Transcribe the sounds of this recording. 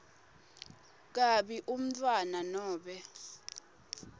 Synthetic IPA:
k̬aɓiʔum̩tʰʼwananɔːɓɛ

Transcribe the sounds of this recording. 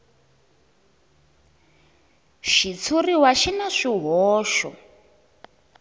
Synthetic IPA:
ʃit͡sʰuriwaʃinaʂiɦɔːʃɔ̰

